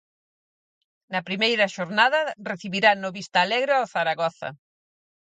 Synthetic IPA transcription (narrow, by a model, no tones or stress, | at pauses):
nɐpɾimejɾɐʃoɾnaðɐreθiβiɾanoβist̪aːleɣɾɪoθaɾaɣɔθɐ̰